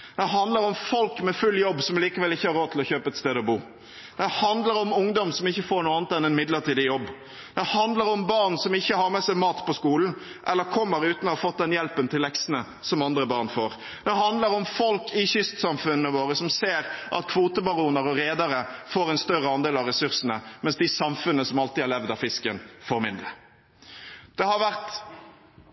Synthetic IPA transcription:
d̪ɛɦɑnd̪ləɾɔmfɔlkmɛfʉlːjɔbːsɔmliːkəʋɛlɪçːəhɑɾoːt̪ɪlɔçøːpəɛt̪st̪eːd̪ɔbuː | d̪̥ɛhɑnd̪ləɾɔmʊŋd̪ɔmsɔmɪçːəfoːɾɳuːɑːnət̪ɛnɛnmɪd̪ləɾʈiːd̪ɪjɔbː | d̪̥ɛhɑnd̪ləɾɔmbɑɾnsɔmɪçːəhɑɾmɛsɛɪmɑːt̪pɔskuːln̩ | ʔɛlːəɾkʰɔmːəɾʉːt̪nɔhɑfɔt̪̚d̪ɛnjɛlpənt̪ʰɪlːɛksnə | sɔmɑnd̪ɾəbɑʁnfoːɾ | d̪̥ɛhɑnd̪ləɾɔmfɔlkɪçʏst̪sɑmfʉnːəʋoːɾəsɔmseːɾʔɑ̰t̪kʰʋuːt̪əbɑɾuːnəɾɔɾeːd̪ɑɾəfoːɾɛnst̪œʁəɑnd̪eːlɑʋɾɛsʉʁsnəmɛnsd̪ɪsɑmfʉnəsɔmɑlt̪ɪhɑɾlɛʋd̪ɑfɪskənfɔɾmɪnd̪ɾə | d̪̥ɛhɑɾʋæʁt̪

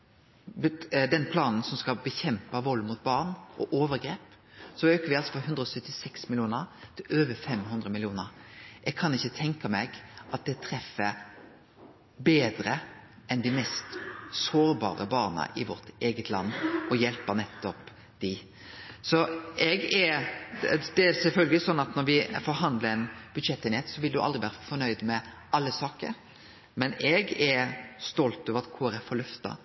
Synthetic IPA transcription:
bd̪ɛnpʰlɑːnn̩sɔmskɑbəçɛmpɑʋoːlɪmut̪̚bɑʁnʔɔ̰ʔoːʋəɾɡɾeːp | sɔøːkəɾʋɪɑlsɔfɔɦʉnd̪ɾəɔːsœt̪ːɪsɛksmɪljuːnəʁt̪ʰɪløːʋəfɛmɦʉnd̪ʁəmɪlɪuːnəɾʔɛɡ̚kʰɑnɪçːət̪ʰɛŋkɑmɛɡʔɑt̪̚d̪ɛt̪ʰɾɛfːə | beːd̪ɾəʔɛnd̪ɪmɛst̪soːɾbɑ̰ːɾə̰bɑːɾnə̰ʔɪʋɔɾt̪eːɡət̪ʰlɑ̰nːɔjɛlpənɛt̪ːɔp | d̪̥ɪ | sɔɛɡɛɾ | d̪̥ɛæsɛlfœlɡəlɪsɔnːɑt̪nɔɾʋɪfɔɾɦɑnd̪ləɾɛnb̥ʉd̪ʃɛt̪ːeːnheːt̪sɔʋɪld̪ʉʔɑ̰d̪ɾɪʋæːɾəfɔɾnœʏd̪mɛ | ʔɑlːəsɑːkə̰ɾ | mɛnɛɡɛst̪ɔlt̪øːʋəɾɑt̪kʰuːɾɛfɔɾlœft̪ɑ̰

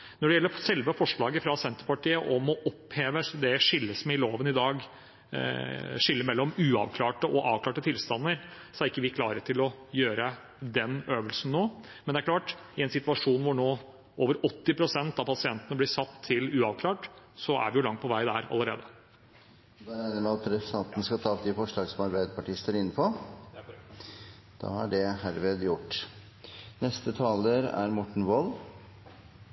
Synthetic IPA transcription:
nɔɖɛjɛlːəɾsɛlʋəfɔʂɭɑːɡəfɾɑsɛnt̪əɾpɑʈiːəʔɔmɔʔɔpːeːʋəd̪ɛʂɪlːəsmɛɪloːʋənɪd̪ɑːɡ | ʂɪlːəɾmɛlːɔmʉːɑ̰ʋkʰlɑːʈəʔɔʔɑːʋkʰlɑːʈət̪ʰɪlst̪ɑnːəɾ | sɔæɾɪkːəʋɪkʰlɑːɾəʈ̪ʰɪlɔjøːɾə | d̪ɛnøːʋəlsn̩ːoː | mɛnd̪ɛæɾklɑːʈɪɛnsɪt̪ʉɑʂuːnʋʊɳoː | ʔoːʋəɾɔt̪ːɪpʰɾʊsɛnt̪ɑʋpʰɑsɪɛnt̪ənəblɪsɑt̪ʰːɪlʉːɑʋkʰlɑːʈ | sɔʔæ̰ɾʋɪjʊlɑŋt̪pʰɔʋæɪd̪æɾɑ̰ləɾḛːd̪ə | d̪ɑæɪnəmɛɑt̪ɾɛ̥t̪ɑnt̪n̩əskɑt̪ʰɑːp̚d̪ɪfɔʂɭɑːɡsɔmɑɾbæɪd̪əpʰɑʈɪst̪əɾɪn̩ːpʰɔ | d̪̥ɑ̰ːhɑɖɛhæɾʋeːd̪jʊʈː | nɛst̪ət̪ʰɑːləɾæ̰ɾmɔʈːɳ̩ʋɔl

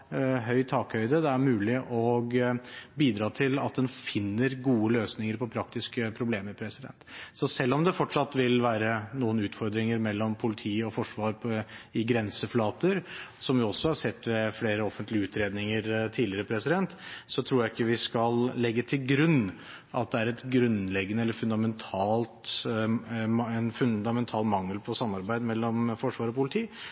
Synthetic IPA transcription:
ɦœʏt̪ʰɑːkhœʏd̪əd̪ɛæɾmʉːlɪʔɔɡbiːd̪ɾɑːt̪ʰɪlɑt̪̚d̪ɛnfɪnːəɾɡuːəløːsnɪŋəɾpʰɔpʰɾɑk̚t̪ɪskəpʰɾʊbleːməɾpʰɾɛsɪd̪ɛ̰nt̪sɔsɛlːɔmd̪ɛfɔʈʂɑt̪ːʋɪlʋæːɾənuːənʉːt̪fɔɾd̪ɾɪŋəɾmɛlːɔmpʰʊlɪt̪ʰiːɔfɔʂʋɑːɾpɪɡɾɛnsəflɑːt̪əɾsɔmʋɪɔsːɔhɑɾʂɛt̪ːʋɛfleːɾəɔfənt̪lɪəʉːt̪ʰɾeːd̪nɪŋəɾt̪ʰiːlɪəɾəpʰɾɛsɪd̪ɛnt̪sɔt̪ʰɾuːjæɪɪkːəʋɪskɑllɛɡːət̪ʰɪlɡɾʉnː | ɑt̪̚d̪ɛæɾɛt̪ɡɾʉnlɛɡːənəɛlːəɾfʉnd̪ɑmɛnt̪ʰɑːlt̪ | ɛnfʉnd̪ɑmɛnt̪ʰɑːlmɑŋːəlpʰɔsɑmːɑɾbæɪd̪mɛlːɔmfɔʂʋɑːɾɔpʊlɪt̪ʰiː

